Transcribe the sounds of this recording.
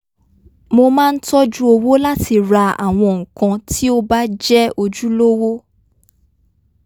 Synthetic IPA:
mo˧mãː˦˧n̩˦tɔ˦d͡ʒu˦o˧wo˦la˦ti˧˨ɾa˧a̰˨w̃ɔ̃˧ŋ̩̃˨kã˧tʰi˦o˦ba˦d͡ʒɛ˦o˧d͡ʒu˦lo˦wo˦

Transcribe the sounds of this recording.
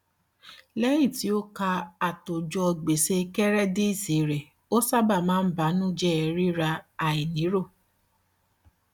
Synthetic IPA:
lɛ˦ji˦˨ti˨˦o˦ka˧a˨to˨d͡ʒɔ˧˨ɡ͡be˨se˧kɛ˦ɾɛ˦de˦i˦˨se˨˦ɾɛ˨ | o˦sa˦˨ba˦˨mãː˦n̩˦ba˨˦nũ˦d͡ʒɛ˦ɛ˧ɾi˦ɾa˧a˨i˨nĩ˨˦ɾo˦˨

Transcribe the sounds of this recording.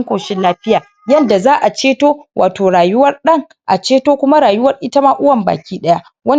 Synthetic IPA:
ŋkʷoː˨ʃɪ˦laː˦ɸɪ˦jaː˨ | jɐ˦˨nda˨zaː˦ʔa˨t͡ʃeː˦toː˦wʔa̰ː˨toː˨ɽaː˨jʊ˦wɐ˦rɗɐ˦ŋ | ʔa˨t͡ʃeː˦toː˦kʷʊ˦ma˦ɽaː˨jʊ˦wɐ˦rʔɪ˦tɐ˦maː˦ʔʊ˦wɐ˨mba̰ː˨kʲiː˦ɗɐ˦ja˦ | wɐ˦n

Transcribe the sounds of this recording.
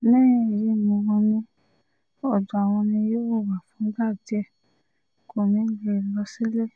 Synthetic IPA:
mɛ̃˦˨ɾi˧˦˨mõ˧wɔ̃˧nĩ˧ | ɔ˨d͡ʒu˨a˨w̃ɔ̃˧nĩ˧jo˦o˦˨wa˨fũ˨˦ɡa˦˨d͡ʒɛ˦˨ | ko˨nĩ˨˦le˧˨lɔ˧si˦le˦˨

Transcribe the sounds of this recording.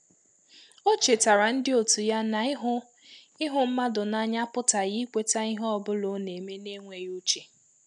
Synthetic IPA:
o˦t͡ʃe˨ta˨ɾa˨n̩˦dɪ˦o˨tu˨ja˦na˨ɪ˦ɦʊ˦ | ɪ˦ɦʊ˦m̩˦ma˦dʊ˨na˦ɲa˦pʊ˦ta˨ɣi˦kʷe˦ta˦ɪ˦ɦɔ˦bʊ˦lʊ˨˦ne˨me˦ne˦ŋʷe˨ɾu˦t͡ʃe˨

